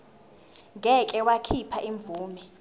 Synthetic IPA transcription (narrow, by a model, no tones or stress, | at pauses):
ŋɡʱɛkʼɛwakʰipʰaʔiɱb̪vʱuːmɛ